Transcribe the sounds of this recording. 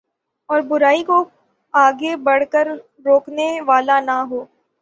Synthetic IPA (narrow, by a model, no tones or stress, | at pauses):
ɔːɾbʊɾaːiko | aːɡebɐɽ̤kəɾ | ɾoːkneʋaːlanaɦoː